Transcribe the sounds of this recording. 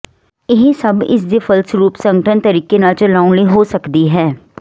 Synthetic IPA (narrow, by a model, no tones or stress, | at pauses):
ɪɦsəbɪ̰sd̪efʰəlsɾuːpsə̃ŋɡəʈʰənt̪əɾiːkenat͡ʃəlaːʊ̃nləiɦoːsəkd̪iɦɛː